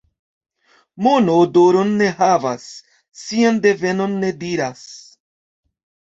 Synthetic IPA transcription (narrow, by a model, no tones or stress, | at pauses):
monodoɾonːe̞ɦavasː | iande̞ve̞no̞nːe̞diɾas